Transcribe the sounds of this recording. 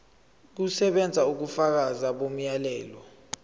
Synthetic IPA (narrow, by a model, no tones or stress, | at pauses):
k̬usɛɓɛnd͡zʱauk̬ufak̬azaɓom̩jalɛːlɔ